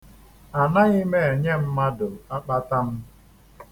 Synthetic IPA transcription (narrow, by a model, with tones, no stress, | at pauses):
a˨na˦ɣi˦me˦e˨ɲe˦m̩˦ma˦dʊ˨a˦k͡pa˦ta˦m̩˦